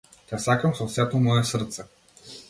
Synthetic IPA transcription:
t̪ʲasakəmsɔsɛt̪omɔjɛsəɾt̪sɛ

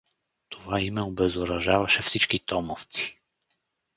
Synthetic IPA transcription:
t̪ʰovaimɛobɛzoɾɐʒavɐʃɛfsit͡ʃkit̪ɔmoft̪si̥

